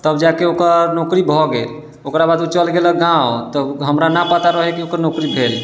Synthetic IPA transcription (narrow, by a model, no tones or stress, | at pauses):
t̪əbd͡ʒakeokəɾnokɾibʱɔɡel | okɾabad̪ʱut͡ʃəlɡeləɡãot̪əbɦəmɾanapət̪aɾəɦekiokəɾnokɾibʱel